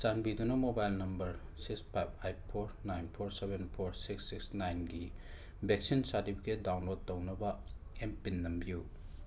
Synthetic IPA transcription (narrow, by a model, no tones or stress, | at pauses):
sanbidunɐmobajlnɐmbɐɾsikspʰajp̚ʰajp̚pʰoɾnajnpʰoɾsebenpʰoɾsiksːiksnajnɡi | beksinsatipʰi̥ket̚dawnlod̚ːɐwnɐbɐempinːɐmbiju